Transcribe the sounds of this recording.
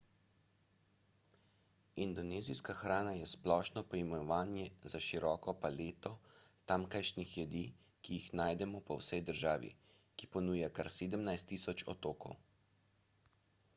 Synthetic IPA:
ind̪ɔneːziskaxɾaːnajɛsplɔːʃnɔpɔimɛnɔʋaːnjɛzaʃiɾɔːkɔpaleːt̪ɔ | t̪amkajʃnixjɛd̪i | kijixnaːjd̪ɛmɔpɔwsɛjd̪əɾʒaːʋḭ | kipɔnuːjakaɾseːd̪əmnajst̪ːiːsɔt͡ʃɔ̰t̪oːkɔ̰w

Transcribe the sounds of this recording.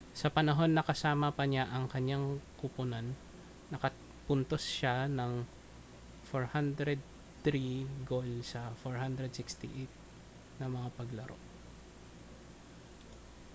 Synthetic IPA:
sɐpɐnɐɦo̞nːɐkɐsaːmɐpɐɲaʔɐŋkɐɲaŋkʊpʊnanː | ɐkɐ | pʊnt̪osʃanɐŋ | foɹhand̪ɾɛd̪̚ | t̪ɾiɡolsɐfoɹhand̪ɾɛd̪̚sɪkst̪ḭʔejt̪̚ | nɐmɐŋapɐɡlɐɾo̞̰

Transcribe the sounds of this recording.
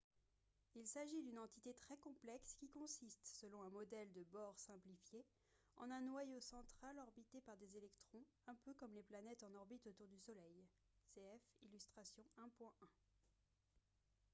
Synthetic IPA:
ilsaʒid̪ynɑ̃t̪it̪et̪χɛkɔ̃plɛkskʲikɔ̃sist̪səlɔ̃ɛ̃mɔd̪ɛld̪əbɔʁsɛ̃plifje | ɑ̰̃nɛ̃nwajosɑ̃t̪χalɔʁbit̪epaʁd̪ezelɛkt̪χɔ̃ | ɛ̃pøkɔmleplanɛt̪ɑ̃nɔʁbit̪ot̪uʁd̪ysɔlɛj | seɛfḭlyst̪χasjɔ̃ɛ̃pwɛ̃ʔɛ̃

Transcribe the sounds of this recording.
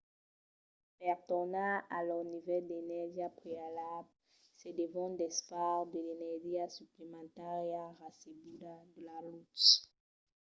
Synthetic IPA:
pɛʁt̪ɔʁnãalɔʁnivɛld̪enɛʁʒiapχealabl | sɛd̪evɔ̃d̪ɛspaʁd̪əlenɛʁʒiasyplemɑ̃t̪aʁjaʁasebulad̪əlalut̪

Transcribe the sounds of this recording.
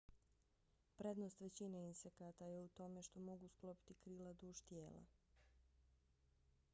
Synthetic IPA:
pɾed̪nost̪ʋe̞t͡ɕineinsekat̪ajeut̪o̞me̞ʃt̪o̞mo̞ɡusklˠo̞pi̥t̪ikɾilad̪uːʃt̪jeːlˠa̰

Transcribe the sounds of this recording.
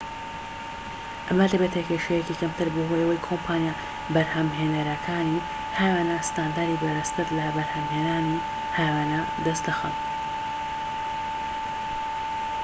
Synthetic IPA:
ʔɐmɐd̪ɐbet̪ʰekeʃejecikɐmt̪ɨɾboɦojɐwɐjkʰompʰaːnjaː | bɐɾhɐmɦeːnɐɾɐkʰaːni | haːjwaːnast̪aːnd̪aːɾibɐɾɐst̪ɨɾlɐbɐɾhɐmheːnaːni | haːjwaːna | d̪ɐst̪d̪ɐxɐn

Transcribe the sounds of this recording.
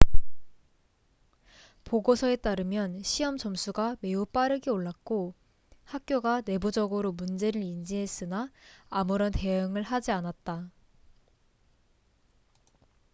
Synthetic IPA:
poɡosʰʌe̞t͈aɾɯmjʌnɕʰiʌmt͡ɕʌmsʰuɡame̞up͈aɾɯɡeoɭːak̚k͈o | hak̚k͈joɡane̞bud͡ʑʌɡɯɾomund͡ʑe̞ɾɯɾind͡ʑiɦes͈ɯnaːmuɾʌnte̞ɯŋɯɭɦad͡ʑianat̚t͈a

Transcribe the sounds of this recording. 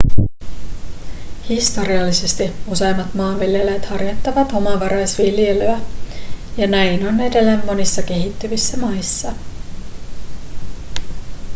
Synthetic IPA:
hist̪o̞ɾiɑlːise̞st̪iuse̞jmːɑt̪mɑːʋʋilje̞lejt̪hɑrjot̪ːɑʋɑt̪o̞mɑʋɑɾɑjsʋilje̞løæ | jɑnæjno̞ne̞delːemːo̞nisːɑke̞ɦit̪ːyʋisːæmɑjsːɑ

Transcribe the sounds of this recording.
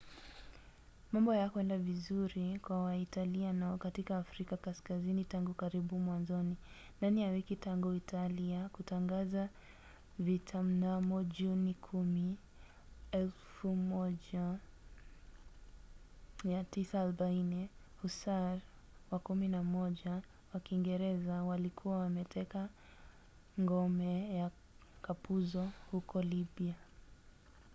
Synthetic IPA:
mambɔjakwɛndavizuɾikwawaitalianaɔkatikaːfɾikakaskazinitaŋɡukaɾiɓumwanzɔni | ndanijawikitaŋɡuitʰaliakutaŋɡaza | vitʰam̩namɔʄunikʰumi | ɛlfumɔʄa | jatisaːlɔɓainɛhusaɾ | wakuminamɔʄa | wakiŋɡɛɾɛzawalikʰuwawamɛtʰɛka | ŋɡɔmɛja | kapuzɔhukɔlibia

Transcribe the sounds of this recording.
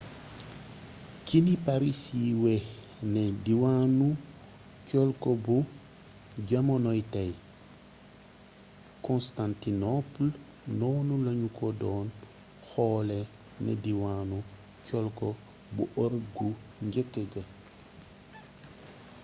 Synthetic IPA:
kinipaɾisiwɛ | nɛdiwanu | cɔlkɔbu | ɟɐmɔnɔjtɐj | kɔnstantinɔpl | nɔːnulɐɲukɔdɔːn | xɔːlɛ | nɛ̰diwanu | cɔlkɔ | buʔɔɾɡu | ɲɟəkːəɡɐ

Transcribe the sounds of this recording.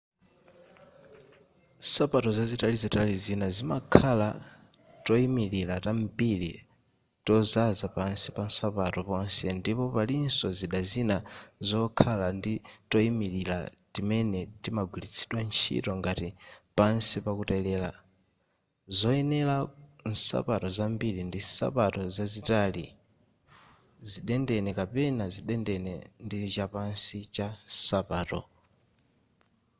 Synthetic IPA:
sapatɔzazitalizitalizinazimakʰala | tɔimililatambilḭ | tɔzazapansipansapatɔpɔnsɛndipɔpalinsɔziɗazinazɔkʰalanditɔimililatimɛnɛtimaɡwilit͡sʰi̥ɗwant͡ʃʰḭtɔŋɡatipansipakutailɛːla | zɔɛnɛlan̩sa̰patɔzambiɾindisa̰patɔzazitalḭ | ziɗɛndɛnɛkapɛnaziɗɛndɛnɛndit͡ʃapansit͡ʃasapaːtɔ̰

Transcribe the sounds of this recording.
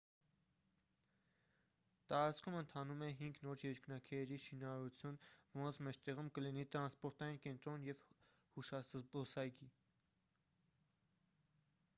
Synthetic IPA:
t̪ɑɾɑt͡sʰkʰumənt̪ʰɑnumɛɦiŋɡnɔɾjɛɾknɑkʰɛːɾiʃinɑɾɑɾut͡sʰjunvɔɾɔnt͡sʰmɛt͡ʃʰt̪ɛʁumkəlinit̪ɾɑnspɔɾt̪ɑjinkɛnt̪ɾɔnjɛv | huʃɑsbɔsɑjɡi

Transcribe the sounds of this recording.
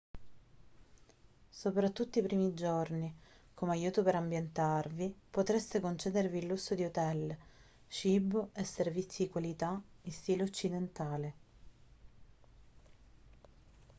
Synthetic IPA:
sopɾat̪ːut̪ːoipɾiːmid͡ʒorni | komeajuːt̪opeɾambjent̪arvipot̪ɾest̪ekont͡ʃeːd̪eɾviːlːusːod̪iut̪ɛl | t͡ʃibesːervit̪sːid̪ikwalit̪aist̪iːloot͡ʃːid̪ent̪aːle

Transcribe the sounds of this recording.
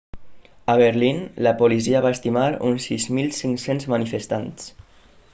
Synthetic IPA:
əβeɾlinləpoliziaβaest̪imaɾṵnsizmilsiŋsenzmənifest̪ans

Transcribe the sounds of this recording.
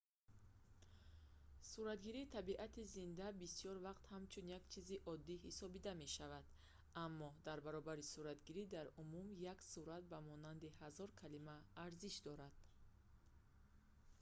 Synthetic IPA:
suɾat̪ɡiɾiːt̪ʰabiʔat̪izind̪abisijɔɾvaqt̪hamt͡ʃʰunjakt͡ʃʰiziʔɔd̪ːiɦisɔbid̪ame̞ʃavad̪ | amːɔd̪aɾbaɾɔbaɾisuɾat̪ɡiɾid̪aɾumumjaksuɾat̪̚bamɔnand̪ihazɔɾkʰalimaːɾziʃd̪ɔɾad̪̥

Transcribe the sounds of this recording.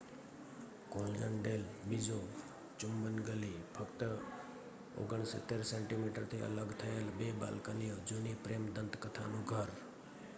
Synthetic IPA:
kõːjənɖeːlbid͡ʒo | t͡ʃʊmbənɡəliːpʰəkt̪ə | o̰ɡəɳ̃sə̰t̪eɾseːɳʈimiʈəɾt̪ʰeə̰ləɡt̪ʰəelbeːba̰ːlkənijod͡ʒunipɾemd̪ə̃nt̪kət̪ʰanũɡʱəɾ

